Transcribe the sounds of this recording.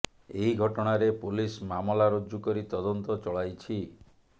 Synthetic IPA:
eɦiɡʱɔʈɔɽ̃aɾepulismamɔlaɾod͡ʒukɔɾit̪ɔd̪ɔnt̪ɔt͡ʃɔɭajt͡ʃʰi

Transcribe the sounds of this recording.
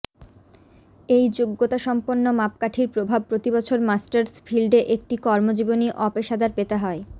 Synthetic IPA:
ejd͡ʑoɡːot̪aʃɔmponːomap̚kaʈʰiɾpɾobʱab̚pɾot̪ibɔt͡ɕʰoɾmasʈaɾsfʰilɖeʔek̚ʈikɔɾmod͡ʑiboniʔɔpeʃad̪aɾpet̪eɦɔe

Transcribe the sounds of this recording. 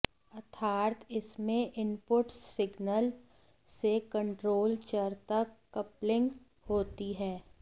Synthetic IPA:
ɐt̪ʰaːɾt̪ɪsmẽʔɪmpʊʈsɪɡnəl | sekə̃ɳʈɾoːlt͡ʃəɾt̪əkːɐplɪ̃ŋɡ | hoːt̪iɦɛː

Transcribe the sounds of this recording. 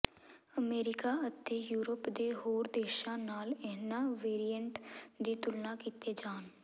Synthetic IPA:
əmeːɾɪkaːət̪eːjuːɾəpd̪eːɦoːɾd̪eːʃãːnaːlɛːnãːʋeːɾiːəɳʈd̪iːt̪ʊlnãːkiːt̪eːd͡ʒaːn

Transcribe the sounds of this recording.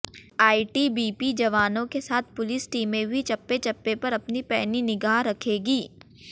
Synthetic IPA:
aːiʈibiːpid͡ʒɐʋaːnõkesaːt̪̚ʰpʊlisʈiːmẽbʱit͡ʃɐpːet͡ʃɐpːepɐɾɐpnipɛːninɪɡaːɦɾɐkʰeːɡiː

